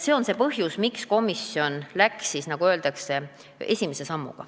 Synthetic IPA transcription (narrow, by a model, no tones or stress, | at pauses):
se̞o̞nse̞pɤɦjusmiksko̞misjo̞nlæksːisnɑɡ̥uøːld̪ɑkse̞ | e̞sʲimese̞sɑmːṵɡ̥ɑ̰